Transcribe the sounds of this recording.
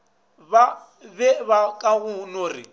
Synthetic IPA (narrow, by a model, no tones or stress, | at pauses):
βa | βɛβakʼaɣʊnoːrḭ